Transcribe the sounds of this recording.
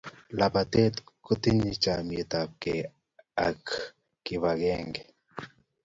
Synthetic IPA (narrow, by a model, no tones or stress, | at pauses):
lapat̪et̪kut̪iɲit͡ʃamjet̪ap̚ke | a̰k | kiβaɡeŋɡe